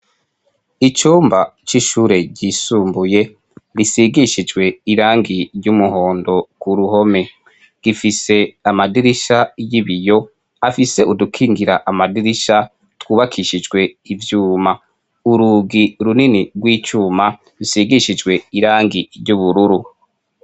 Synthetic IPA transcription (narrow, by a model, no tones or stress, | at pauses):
it͡ʃuːmbat͡ʃiʃuːɾe̞ɟisuːmbuje̞ | βisiɡiʃid͡ʒɡwe̞iɾaːŋɡiɾɟumuho̞ːndo̞kuɾuho̞me̞ | ɡ̥ifise̞amadiɾiʃajiβijo̞ | afise̞ʔudukʰiːŋɡiɾaʔamadiɾiʃa | twuːβakʰiʃid͡ʒɡwe̞ivjuːma | uɾuɡiɾuniniɡwiːt͡ʃuːma | ɾisiɡiʃid͡ʒɡwe̞iɾaːŋɡiɾɟuβuɾuɾu